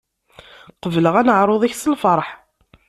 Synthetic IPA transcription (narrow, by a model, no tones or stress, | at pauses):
qəvləʁænəʕɾˤoðˤiçsəlfəɾˤħ